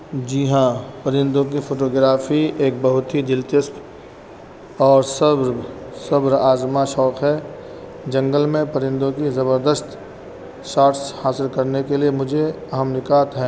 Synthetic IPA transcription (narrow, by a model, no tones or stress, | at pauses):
d͡ʒiɦãpəɾɪ̃nd̪õk̬ifʰoːʈoːɡɾaːfieːk̚bɐɦʊt̪ɦid͡ʒɪlt̪ɪst̪ | ɔːɾsəbɾsɐbɾaːzmaʃɔːkʰɦɛ | d͡ʒɐ̃ŋɡəlmẽpəɾɪ̃nd̪õkizɐbəɾd̪əst̪ | ʃaːɾʈshaːsɪlkɐɾnekeliemʊd͡ʒʱeɐɦəmnɪkaːt̪ɦɛ̃ː